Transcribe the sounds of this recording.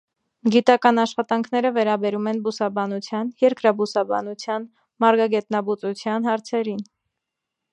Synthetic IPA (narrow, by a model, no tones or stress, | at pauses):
ɡit̪ɑkɑnɑʃχɑt̪ɑŋkʰnɛɾəvɛɾɑbɛɾumɛnbusɑbɑnut͡sʰjɑnjɛɾkɾɑbusɑbɑ̰nut͡sʰjɑn | mɑɾɡɑɡɛt̪nɑbut͡sut͡sʰjɑnɦɑɾt͡sʰɛɾin